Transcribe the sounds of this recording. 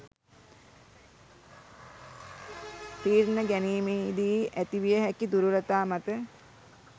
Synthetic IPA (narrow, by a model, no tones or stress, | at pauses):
piːɾnəɡæniːmeːid̪iʔæt̪iʋijəɦækid̪uɾuɾət̪aːmat̪ə